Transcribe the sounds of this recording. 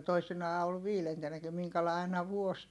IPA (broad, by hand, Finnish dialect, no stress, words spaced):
toisinɑː ol ʋiːlentenːæki miŋkælɑˑi̯ ɑinɑ ʋuos